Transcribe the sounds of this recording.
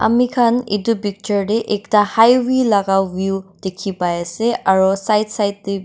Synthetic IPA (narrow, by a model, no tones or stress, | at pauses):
a̰mikʰanḛtupik̚tɔɹdɛʔɛktahajwilaɡawbjud̥ekʰipajasɛaɹusajdsajt̚dɛ